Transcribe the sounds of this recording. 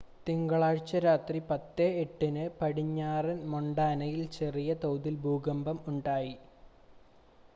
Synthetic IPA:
t̪iŋɡɐɭaːɻt͡ɕːɐɾaːt̪ripɐt̪ːeːʈːinɨpɐɽiɲːaːrɐnmoɳɖaːnɐjilt͡ɕe̞rijɐt̪owd̪ilbʱuːɡɐmbɐmuɳɖaːji

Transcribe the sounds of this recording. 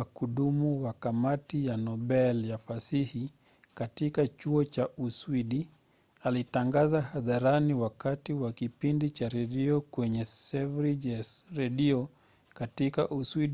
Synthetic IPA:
akuɗumuwakamatijanɔɓɛljafasihi | katikat͡ʃuɔt͡ʃaʔuswiɗi | alitaŋɡazahaðaɾaniwakatiwakipindit͡ʃaɾɛɗiɔkwɛɲɛsɛvɾid͡ʒasɾɛɗiɔ | katikaʔuswiɗ

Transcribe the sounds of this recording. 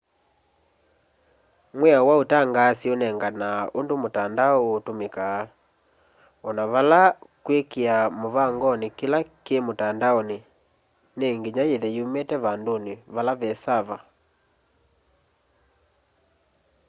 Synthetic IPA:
mwɛawaotaŋɡaːsionɛŋɡanaondomotandaotomekaː | ɔnaβalakwekeamoβaŋɡɔnekelakemotandaone | neŋɡeɲajeðɛiumetɛβandoneβalaβɛsaβa

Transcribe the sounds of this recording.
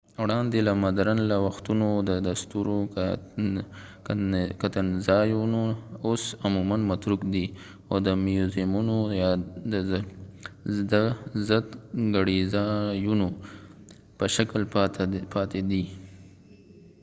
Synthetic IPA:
wɽɑnd̪elamad̪ɾanlawaxt̪unod̪əd̪ast̪uɾo | kat̪anzɑjunoosamumanmat̪ɾukd̪i | od̪əmjuzimunojɑd̪ə | d̪əzət̪ɡaɽizɑjuno | pəʃaklpʰɑt̪ed̪i

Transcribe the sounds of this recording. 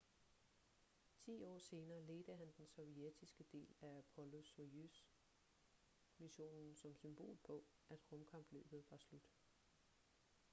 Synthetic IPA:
t͡sʰḭːɒ̰ːse̝ːnɐːle̝ːd̥əɦænd̥ensɒ̽ʊied̥isɡ̥əd̥e̝̰ːlææpʰɒ̽lo̝soys | miɕo̝̰ːnn̩sɒ̽msymb̥o̝̰ːlpʰɒ̽ | ʔæd̥ʁɔ̽mkʰɑ̈mb̥lø̰ːb̥ð̩ˠʋɑ̈slud̥

